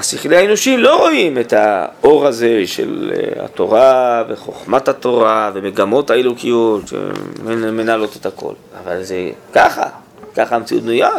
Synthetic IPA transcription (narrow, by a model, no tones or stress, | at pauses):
asiχlehaeno̞ʃimlo̞ʁo̞imetao̞ʁaze̞ʃe̞̰lha̰t̪o̞ʁaveχo̞χmathato̞ʁavemeɡamo̞thaelukijo̞t̪ʃḛmmenalo̞tetako̞̰lavalzekaχa̰ | kaχamt͡siṵt̪noja